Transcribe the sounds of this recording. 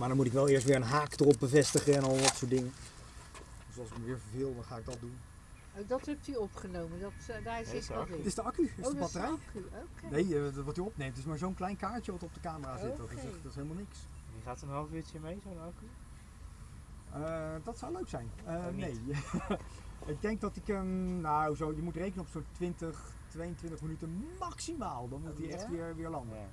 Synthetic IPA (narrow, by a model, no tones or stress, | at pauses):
maːɹdɔnmutɪkʋɛlˠɪːəɹstʋɪːɹənɦaːkdərɔp̚bəvɛstəχəɛnɔlˠdɑtsʊːtdɪŋə | døsɑlˠsɪkməʋɪːɹvəɹvɪːlˠdɑnχaːɪɡ̚dɑt̚dun | odɑtɦɛp̚tyɔpχənowməndɑtdaɪətɪsdəɑkyəbɑtərakoknejəʋɑtyɔpnejmtɪsmaːɹzownklɛjnkaːɹt͡ʃəʋɑtɔp̚dəkaːməraːzɪtɔtzɛχdɑtɪsɦelˠəmalˠnɪks | iχaːtənɦɑlˠfɪtəmejzodɑky | ədɑtsɔwløɥksɛjnənej | ɪɡ̚dɛŋk̚dɑtɪkəmnazojəmutrejkənənɔpsontʋɪntəχ | tʋejəntʋɪntəχmənytənmɑksimaːlˠdɑnmutiɛχtʋɪːɹʋɪːɹlɑndə